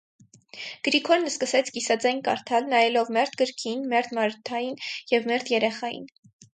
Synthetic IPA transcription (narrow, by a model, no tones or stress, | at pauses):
ɡ̥əɾikʰɔɾnəskəsɛt͡sʰɡisɑd͡zɑjnkɑ̰ɾt̪ʰɑlnɑjɛlɔvmɛɾt̪ɡəɾkʰinmɛɾd̪mɑɾt̪ʰɑjinjɛvmɛɾd̪jɛɾɛχɑjḭn